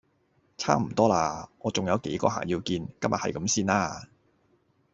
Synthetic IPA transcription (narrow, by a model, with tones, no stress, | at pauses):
t͡sʰa̰ː˥m̩˨˩t̪ɔː˥laː˧ŋɔː˨˧t͡sʊ˨ŋjɐ˨˧wke˨˥jkɔ̰ː˧ɦa̰ː˨˩jiː˧wkiː˧nkɐ˥mjɐ˨t̚hɐ˨jkɐ˨˥msiː˥naː˧˥